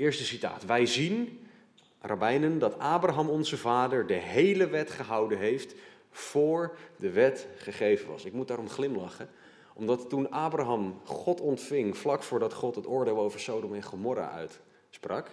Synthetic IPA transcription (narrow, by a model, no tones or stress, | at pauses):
ɪːɹstəsita̰ːtʋɛjzin | rʔabɛjnəndɑtaːbraɦɑmɔnzəvaːdəɹdəɦejləʋɛtχəɦɑwdənɦejft | fʊːɹdəʋɛtχəχejvənʋɑ̰sɪk̚mudaːɾɔmχlɪmlɑχə | ʔɔmdɑtːunaːbraɦɑmχɔtɔntfɪŋflɑkfʊːɹdɑtχɔtɦətʊːɹdeɪːlˠowvəɹsowdɔmɛnχomɔɾa̰ʔœ̰ɥt | sprɑ̰k